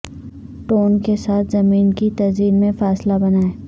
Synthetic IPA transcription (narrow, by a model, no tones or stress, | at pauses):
ʈoːnkesaːt̪ʰzɐmiːnkit̪ɐziːlmẽfaːslabɐnaːeː